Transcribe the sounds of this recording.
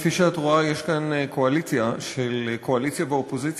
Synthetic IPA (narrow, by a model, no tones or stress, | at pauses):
fiʃeat̪ʁuajeʃkaneko̞alit͡sjaʃelkʰo̞alit͡sjaveopozit͡s